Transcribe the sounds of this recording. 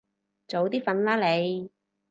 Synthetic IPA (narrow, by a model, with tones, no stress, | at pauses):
t͡so˨˧wt̪iː˥fɐ˧nlaː˥le˨˧j